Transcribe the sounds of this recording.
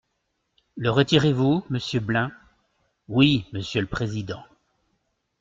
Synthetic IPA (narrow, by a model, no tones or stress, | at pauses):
ləʁət̪iʁevuməsjøblɛ̃ | wiməsjøləpχezid̪ɑ̃